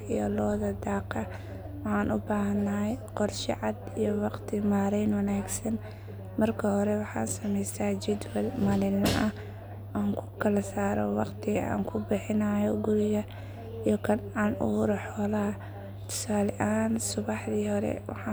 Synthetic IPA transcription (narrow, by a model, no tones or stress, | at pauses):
ijɔlɔːðɐd̪aːqɐ | wɑħɑːnʔʊ̰baːhɐnːajqɔrʃɑ̰ʕɑd̪ijɔwɑqt̪ʰɪmaːɾɛjnwɑnaːɡsɐn | mɐrkʰɐhɔɾɛwɑħɑ̰ːnsɐmɛjsaːd͡ʒɪd̪wɛlmɐlɪlnɐʔɐ | ʔaːŋkʰʊ̥kʰɐlɐsaːɾɔ̰wɑqt̪ʰɪɣa̰ːŋkʰʊbɪħɪnaːjɔɡʊɾɪɣɐ | ijɔkʰɐnanṵɾɐħɔːlɐ | t̪ʰɔ̥saːlɛʔaːnsʊβɑħðiːhɔɾɛ̰wɑ̰ħɑ